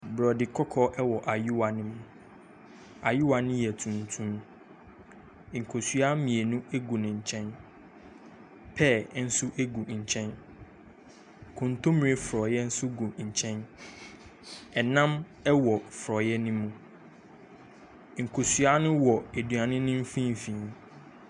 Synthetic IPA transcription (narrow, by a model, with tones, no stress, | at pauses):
bɾɔ˨dɪ˨kʰɔ˦kʰɔ˦ʔɛ˦wɔ˨ʔa˨ju˦wa˨nɪ̃˦mũ˨ | a˨ju˦wa˨nɪ̃˦jɛ˨tʰũ˨n˨tʰũ˦m˨ | ŋ̩˨kʰo˨su˨a˦mĩ˨e˨nũ˦e˦ɡu˨nɪ̃˨ɲ̩˨t͡ɕʰɛ̃˦n | pʰɛ˦˨˦n̩˦sʊ˦ʔe˦ɡu˨ɲ̩˨t͡ɕʰɛ̃˦n | kʰʊ̃˨n˨tʰo˦mĩ˨e˦fɾɔ˨jɛ˦n̩˦sʊ˦ɡu˨ɲ̩˨t͡ɕʰɛ̃˦n | ɛ˨nã˦m | ɛ˦wɔ˨fɾɔ˨jɛ˦nʊ̃˦mũ˦ | ŋ̩˨kʰo˨su˨a˦nʊ̃˦wɔ˨e˨dɥã˨nɪ̃˦nʊ̃˦m̩˦fĩ˦m˨fĩ˨n˨˦